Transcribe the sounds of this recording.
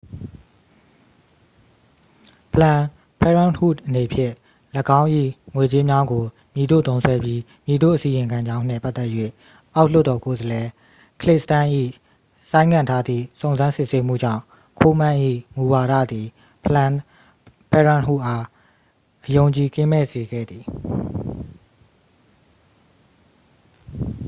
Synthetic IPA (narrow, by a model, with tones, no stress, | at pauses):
pʰəlã˨ | pʰɛ˦ɹã˦nhṵ˦˨dʔəne˨pʰjɪ̰̃˦˨ | ləɡã˦ʊ̃ʔḭ˦˨ŋwe˨t͡ɕe˦mja˦ɡo˨ | mji˨d̪o̰˦˨t̪õ˦ʊ̃sʰwɛ˦bji˦ | mji˨d̪o̰˦˨ʔəsi˨jɪ̃˨ŋkʰã˨ɲd͡ʑã˦ʊ̃n̥ɪ̰̃˦˨pa˦t̪ːɛ˦ʔjwḛ˦˨ | ʔa˦ʊl̥ʊ˦tːɔ˨ko˨zəlɛ˨ | kəlɪ˦ʔsətã˦ʔḭ˦˨ | sã˦ɪ̃ŋɡã˨ntʰa˦d̪ðḭ˦˨sõ˨ʊ̃nzã˦nsɪ˦ʔse˦mṵ˦˨d͡ʑã̰˦˨ | kʰo˦m̥ã˦˨ʔḭ˦˨mu˨wa˨ɾa̰˦˨d̪ði˨ | pʰlã˨ | pɛ˦˨ɹã˦˨nɦṵ˦˨ʔa˦ | ʔəjõ˨ʊ̃ɲt͡ɕi˨kɪ̃˦mɛ̰˦˨ze˨ɡɛ̰˦˨d̪ði˨